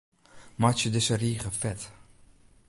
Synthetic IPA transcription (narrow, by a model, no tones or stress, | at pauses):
mat͡ʃədɪsəriːχəfɛt